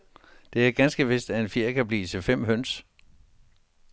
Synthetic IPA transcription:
d̥e̝æɐɡ̥ænsɡ̥əʋe̝sd̥æe̝nfiɐ̰kʰæb̥lḭːt͡sʰe̝fem̰ɦøn̰s

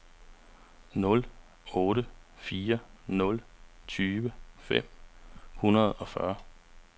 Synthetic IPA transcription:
nɔ̽l | ɔ̽ːɾəfiːɐnɔ̽lt͡sʰyːʋəfem̰hunɐð̞̩ˠɒ̽fɶɐ

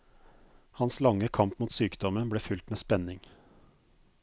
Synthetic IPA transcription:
hɑnslɑŋːəkʰɑmpmuːt̪syːkd̪ɔmənbleːfʉlt̪meːspɛnɪŋ

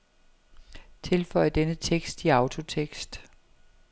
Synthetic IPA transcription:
t͡sʰe̝lfɒ̽ɪəd̥enət͡sʰeɡ̥sd̥iɑ̈ʊt͡sʰo̝t͡sʰeɡ̥sd̥

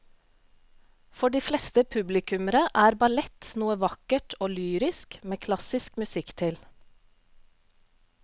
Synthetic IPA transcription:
fɔɖiːflɛst̪əpʰʉblɪkʰʉməɾəʔæːɾbɑlɛt̪nuːəʋɑkəʈʰoːlyːɾɪskmeːkʰlɑsɪskmʉsɪkt̪ʰɪl

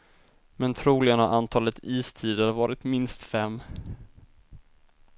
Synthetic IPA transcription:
mɛnt̪ʰɾuːlɪɡənhaʔant̪ʰɑːlət̪iːst̪ʰiːd̪əɾvɑːɾɪt̪mɪnst̪fɛmː

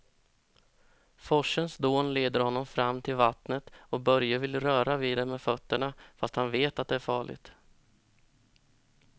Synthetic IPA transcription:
fɔʂːənsd̪oːnleːd̪əɾhɔnːɔmfɾamːt̪ʰɪlvat̪nət̪ɔk̚bœɾjəvɪlɾœːɾaviːd̪ɛmɛfœt̪ːəɳafast̪hanveːt̪at̪̚d̪ɛæɾfɑːɭɪ̰ɡt̪

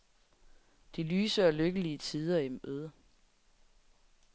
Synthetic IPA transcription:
d̥ilyːsəɒløɡ̥əliət͡sʰiːð̞ˠɐemøðˠ

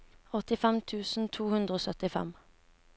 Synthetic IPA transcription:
ɔt̪ɪfɛmt̪ʰʉːsn̩t̪ʰuːhʉnd̪ʁəoːsœt̪ɪfɛ̰m

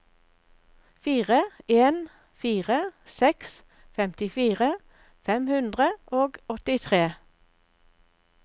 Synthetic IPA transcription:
fiːʁəeːn | fiːʁəsɛks | fɛmt̪ɪfiːʁə | fɛmhʉnd̪ʁəʔoːɡɔt̪ɪt̪ʰʁeː

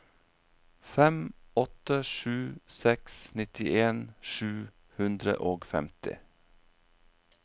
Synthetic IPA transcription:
fɛmɔt̪əʃʉːsɛksnɪt̪ɪʔeːnʃʉː | hʉnd̪ɾə̰ʔoːɡfɛ̰mt̪ɪ̰

